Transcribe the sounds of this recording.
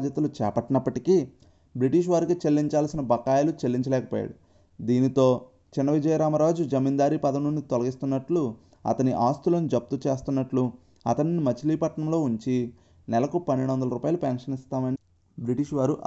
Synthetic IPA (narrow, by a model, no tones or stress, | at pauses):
d̪jɐt̪ɐlut͡ʃɛːpɐʈːinɐpːɐʈikiː | bɾiʈiːʂ̬ʋaːɾikit͡ʃe̞lːiɲt͡ʃaːlsinɐbɐkːaːjɐlut͡ʃelːiɲt͡ʃɐlɛːkɐpoːja̰ːɽu | d̪iːnit̪o̞ː | t͡ʃinːɐʋid͡ʒɐjɐɾaːmɐɾaːd͡ʒud͡ʒɐmiːnd̪aːɾipɐd̪ɐnunːit̪ɔlɐɡist̪unːɐʈlu | ɐ̰t̪ɐniʔaːst̪ulɐnud͡ʒɐp̚t̪ut͡ʃe̞ːst̪unːɐʈlu | ɐ̰t̪ɐnnimɐt͡ʃiliːpɐʈɳɐmlo̞ːuɲt͡ʃi | nɛlɐkupɐnːiɽuʋɐnd̪ɐlɐɾuːpaːjɐlupɛːnʂɐnist̪aːmɐni | bɾiʈiːʂʋaːɾuʔ